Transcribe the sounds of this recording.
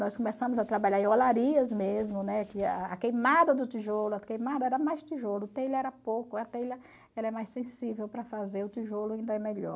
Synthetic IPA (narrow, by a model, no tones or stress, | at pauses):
nɔskõmesɐ̃mʊzɐt̪ɾabaʎaɾẽolaɾiɐzmezmʊnɛkɪaːkejmad̪ɐd̪ʊt̪iʒolʊɐkejmad̪ɐɛɾɐmajst̪iʒolʊt̪ejlɐɛɾɐpowkʊɐt̪ejlɐ | ɛlɐɛmajsẽsivewpɾɐfazeɾʊt̪iʒolʊaĩnd̪ɐɛmeʎɔ̰ɾ